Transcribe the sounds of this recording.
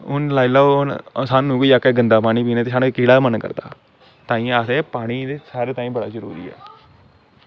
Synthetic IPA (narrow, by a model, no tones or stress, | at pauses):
ʊnlaːɪlaːsaːnːũːkoiːakɛːɡənd̪aːpaːɽ̃iːpiːneːt̪eːʃaːɽkiːɽaːmənkə̰ɾd̪a̰ː | t̪ãːĩːaseːpaːɽ̃iːeːsaːɾeːt̪ãːĩːbəɽaːzəɾṵːɾḭːɛ̰ː